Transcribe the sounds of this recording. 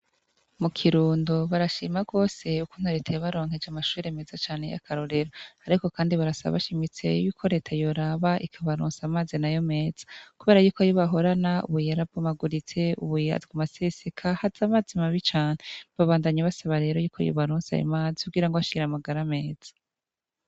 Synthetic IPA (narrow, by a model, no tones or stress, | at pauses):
mukʰiɾuːndoβaɾaʃiːmaɡo̞ːse̞uku̥n̥hoɾetʰajaβaɾo̞ːŋhe̞d͡ʒamaʃuːɾe̞me̞zat͡ʃaːne̞̰ja̰kʰaɾo̞ɾe̞ɾoaɾiko̞kaːndiβaɾasaβa̰βa̰ʃimit͡se̞̰juːkʰo̞ɾe̞ːtʰajo̞ɾaβaʔikʰaβaɾṵːnsamaːzinajo̞me̞ːz̥ḁkuβe̞ːɾajuːkojoβaɦo̞ɾanaṵβujaɾab̚ɡomaɡuɾit͡se̞ṵβuja̰zɡumasesikʰahaz̥amaːzimaβit͡ʃaːneβaβaːndaɲaβasaβaɾe̞ːɾo̞juːkʰo̰jo̰βaɾuːnsa̰jo̰maːziuɡiːɾaŋɡoaʃiɡiɾamaɡaɾame̞ːd͡z̥ḁ